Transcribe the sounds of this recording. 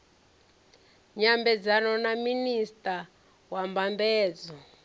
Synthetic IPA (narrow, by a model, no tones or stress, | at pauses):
ɲambɛd͡zanɔnaministʼa | wambambɛːd͡zɔ